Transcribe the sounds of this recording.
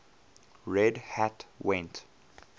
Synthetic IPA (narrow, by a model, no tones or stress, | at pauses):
ɹɛdhatwɛ̃nt